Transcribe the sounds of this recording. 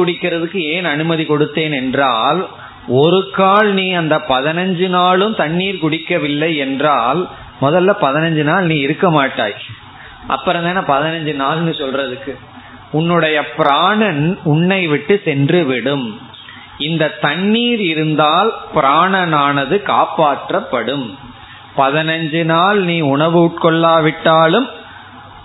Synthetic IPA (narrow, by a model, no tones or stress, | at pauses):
kʊɽɪkːɪɾɐðɯkːɯeːnɐnɯmɐðikɔɽɯt̪ːeːnɛndraːl | ɔɾɯkːaːlniːɐnd̪ɐpɐðɪnɐɲd͡ʒɯnaːlɯmt̪ɐɳːiːɾkʊɽɪkːɐʋɪlːɐɪɛndraːl | mɔðɐlːɐpɐðɪnɐɲd͡ʒɯnaːlniːɪɾɯkːɐmaːʈːa̰ːj | ʔɐ̰pːɐɾɐnd̪aːnːɐpɐðɪnɐɲd͡ʒɯnaːlnːɯsɔlrɐðɯkːɯ | ʊnːɯɽɐjɐpɪɾaːɳɐnʊɳːɐɪʋɪʈːɯsɛndrɯʋɪɽɯm | ɪnd̪ɐt̪ɐɳːiːɾɪɾɯnd̪aːlpɪɾaːɳɐnaːnɐðɯkaːpaːʈrɐpːɐɽɯm | pɐðɪnɐɲd͡ʒɯnaːlniːʊɳɐʋɯʊʈ̚kɔɭːaːʋɪʈːaːlɯm